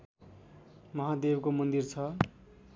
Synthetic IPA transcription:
mʌɦad̪ebkomʌnd̪irt͡sʰʌ

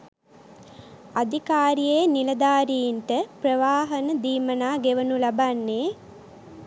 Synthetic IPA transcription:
ad̪ʱikaːɾijeːnilɐd̪aːɾijinʈəprəʋaːɦənəd̪iːmənaːɡeʋənulabanːeː

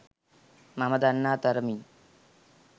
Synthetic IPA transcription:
maməd̪anːat̪əɾmi

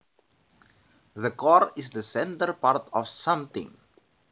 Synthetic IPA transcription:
ðəkɔɹɪsðəsɛ̃ntəɹpartʰɔfsʌ̃mθɪ̰̃ŋ

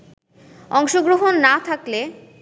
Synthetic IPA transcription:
ɔŋʃoɡɾoɦonːat̪ʰakle

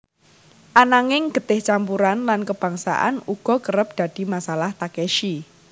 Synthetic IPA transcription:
ʔanaŋɪŋɡ̥ə̤t̪ɪht͡ʃampuɾanlankəb̥a̤ŋsa̰ʔa̰nuɡ̥ɔ̤kəɾəp̚d̥ä̤d̪̥i̤masalaht̪akɛʃi

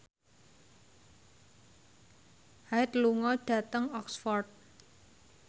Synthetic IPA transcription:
hajt̪luŋɔɖ̥ä̤t̪əŋɔksfɔrd̪̚

